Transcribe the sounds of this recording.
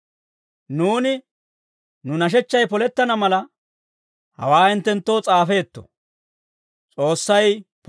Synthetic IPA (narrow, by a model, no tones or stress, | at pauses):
nuːnɪ | nʊnɐʃ̬ɛt͡ʃːɐjpɔlɛt̪ːɐnɐmɐlɐ | hɐ̰waːɪnt̪ːɛnt̪ːo̞ːt͡sʼaːfe̞ːt̪ːɔ̰ | t͡sʼo̞ːsːɐjp